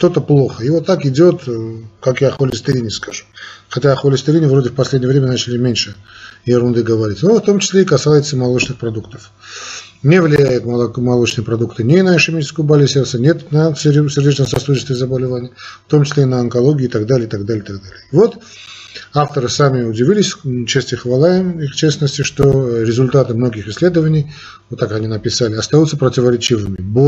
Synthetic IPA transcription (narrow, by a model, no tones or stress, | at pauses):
ʂt̪ot̪əplˠo̞xəivot̪ːakɪdʲo̞t̪kakjaxolʲɪsʲt̪ɪɾʲinʲɪskaʐu̥xɐtʲaɐxolʲɪsʲt̪ʲɪɾinʲɪvɾodʲɪfpɐsʲlʲedʲnʲəvɾʲemʲənat͡ɕɪlʲɪmʲenʲʂɨjɪɾʊnd̪ɨɡəvɐɾʲitʲnoft̪o̞mt͡ɕɪ̥sʲlʲeikɐsajɪt̪səmɐlˠo̞t͡ɕnɨxpɾɐd̪ukt̪ə̥f | nʲevlʲɪjæjʊt̪ˠmɐlˠot͡ɕnɨjəpɾɐd̪ukt̪ɨnʲɪnəɐʂɪmʲit͡ʃɪ̥skəjʊbalʲɪsʲert̪sənʲet̪nəssʲɪrdʲet͡ɕnəmsɐsuɪst̪vɪzəbəlʲɪvanʲɪjəft̪o̞mt͡ɕɪ̥sʲlʲeinəɐnkɐlˠoɡʲɪːt̪ɐɡd̪alʲɪit̪ɐɡd̪alʲɪjɪt̪aɡd̪alʲɪjəvo̞t̪ | aft̪əɾɨsamʲɪʊdʲɪvʲilʲɪsʲt͡ɕest̪ɪxvɐlˠajɪmixt͡ɕesnəsʲtʲɪʂt̪oɾʲɪzʊlʲt̪at̪ɨmno̞ɡʲɪxɪsʲlʲe̞d̪əvənʲɪj | vot̪ːakɐnʲinəpʲɪsalʲɪɐst̪ajut̪səpɾətʲɪvəɾʲɪt͡ɕivɨmʲɪbo